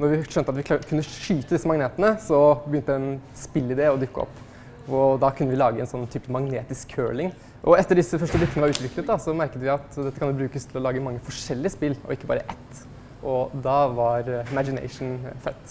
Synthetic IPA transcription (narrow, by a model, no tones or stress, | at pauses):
nɔɾʋɪʂœnt̪əɑt̪ʋɪkʰʉnːəʂyːt̪əd̪ɪsːəmɑŋneːt̪ənəsɔbəjʏnt̪əd̪ɛɛnspɪlːɪd̪eːɔd̪ʉkːəɔ̰pː | ɔd̪ɑkʰʉnːəʋɪlɑːɡəɛnsɔnːt̪ʰyːpəmɑŋneːt̪ɪskʰːø̰ːɭɪŋ | ʔɔɛt̪ːəɖɪsːəfœʂʈəblɪkːənəʋɑɾʉːt̪ʋɪklət̪̚d̪ɑsɔmæɾkət̪ʋɪɑt̪d̪ɛt̪ːəkʰɑnd̪ɛːbɾʉːkəst̪ʰɪlɔlɑːɡəmɑŋːəfɔʂɛlːɪəspɪlːʔɔ̰ɪkːəbɑ̰ːɾəʔɛt̪ː | ʔɔd̪ɑːʋɑɾɪmæd͡ʒɪnɛ̰ɪʂɳn̩fœt̪ː